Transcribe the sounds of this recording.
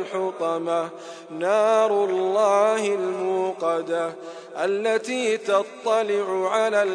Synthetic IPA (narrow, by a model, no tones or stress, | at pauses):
ħʊt̪ˤɑma | naːɾˤʊlːɑːhɪlmuːqɑd̪a | ʔalːat̪iːt̪ɑt̪ˤːɑlɪʕʊʕalaːl